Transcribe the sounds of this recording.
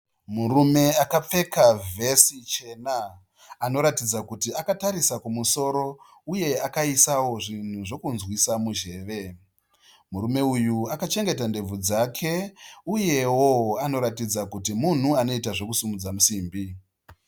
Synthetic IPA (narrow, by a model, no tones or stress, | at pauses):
murume̞akap͡fe̞kavʱe̞sit͡ʃe̞naː | no̞ɾatid͡zakutiakataɾisakumuso̞ɾo̞ | uje̞akaisawo̞ʐin̤uʐo̞kunzwisamuʒe̞ːʋe̞ | muɾume̞ujuakat͡ʃe̞ŋɡe̞tande̞b͡vud͡zakʰe̞uje̞wo̞ano̞ɾatid͡zakutimun̤uano̞itaʐo̞kusumud͡zamusiːmbi